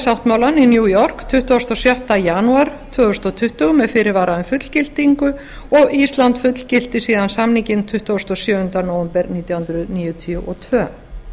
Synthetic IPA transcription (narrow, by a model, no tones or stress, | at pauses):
sawht̪maːwlaninjuːjɔr̥kt̪ʰʏht̪ʏast̪ɔsjawht̪ajanuaɾt̪ʰvœːɣʏst̪ɔt̪ʰʏht̪ʏɣmɛðfɪɾɪɾvaːɾaðʏmfʏt̪l̥cɪl̥t̪iŋkʏ | ɔɣist̪lant̪fʏt̪l̥cɪl̥t̪ɪsiːðansamniŋcɪnt̪ʰʏht̪ːɔst̪ɔsjœːʏnt̪anoːwvɛmpɛɾniːt̪jawhʏnd̪ɾʏðniːjʏt̪ʰiʏʔɔt̪ʰvœː